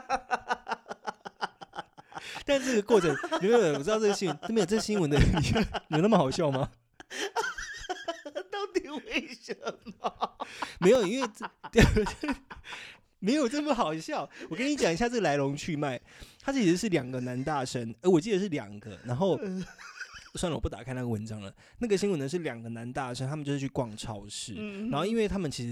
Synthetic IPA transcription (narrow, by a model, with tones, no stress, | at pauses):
t̪a˥˧nʈ͡ʂɤ˥˩ɡə˩kwɔ˥˩ʈ͡ʂʰə˨˦˨e˥˨˩wɻ̩˥˧ɤ˥˩ə˧˩ɕi˥wə˧˦nt̪me˧˥jʈ͡ʂɤ˥˩˨ɕi˥nwə˧nd̪ə˧ɻə˨˦ni˨˩˥i˧jo˨˩˦na˥˩mə˩xɑ˨˩ʊɕjɑ˥˩ʊma˦ | t̪a˥˦ʊt̪i˨˩we˥˩ɪʂə˨˧˩ | me˧˥ɪjo˨˩ʊi˥nwe˥˩ɪ˥˩˥ | me˧˥ɪjo˨ʊʈ͡ʂə˥˩mə˩xɑ˨˩ʊɕjɑ˥˩ʊwɔ˨kə˦˥ni˧˦t͡ɕjɑ˨˩ŋi˩ɕja˧ʈ͡ʂə˥˩ə˨la˧ɪlo˧˥ŋt͡ɕʰy˥˧ma˥˩ɪt̪ʰa˥t͡ɕʰi˧˥ʂɻ̩˧˥ʂɻ̩˥˩ljɑ˨˩ŋɡə˦na˧˥nt̪a˥˩ʂə˦nə˧˦wɔ˨˩t͡ɕi˥˩d̪ə˩ʂɻ̩˥˩ljɑ̰˨˩ŋɡə̰˦na˧˥nxo˥˩ʊ | swnə˨wpu˥˩t̪a̰˨˩kʰa˥ɪna˥˩ɡə˩wə˧˦nʈ͡ʂɑ˥ŋlə̰˩ | na˥˩ɡə˩ɕi˥ŋwə˧˥nə˧˦ʂ̬ɻ̩˥˩ljɑ˨˩ŋɡə˩na˧˦˥nt̪a˥˩ʂə˥nt̪ʰa˥mə˨nt͡ɕo˥˧ʊʂ̩˥t͡ɕʰy˧kwɑ˥˩ŋʈ͡ʂʰɑ˥ʊʂɻ̩˥˩na˨˧nxo˥˩ʊi˥nwe˥˩ɪt̪ʰa˥mə˨nt͡ɕʰi˧˥ʂɻ̩˧